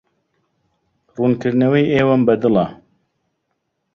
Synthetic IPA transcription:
ruːnkɨɾnɛwɛjeːwɐmbɛd̪ɨlɑ

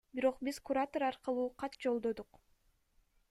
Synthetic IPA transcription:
biɾo̞qbizkuɾat̪oɾɑɾqɑlˠuːqʰɑt̪d͡ʒo̞lˠd̪o̞d̪uq

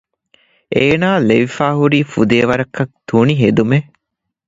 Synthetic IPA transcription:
ʔeːnaːleʋifaːɦuɾiːfud̪eːʋɐɾɐkːɐk̚t̪uniɦed̪ume

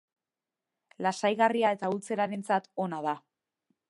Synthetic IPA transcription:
lasajɣariae̞t̪ault͡se̞ɾaɾe̞nt͡sat̪o̞nað̞a

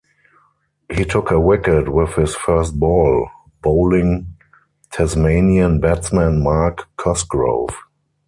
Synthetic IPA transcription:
hiːtʰʊkʰəwɪkətwɪθhɪsfɜ˞st̚bɔl | b̥oʊlɪ̃ŋ | tʰɛsmeɪniə̃nbɛtsmæ̃nmakʰːɔsɡɹo̰ʊv

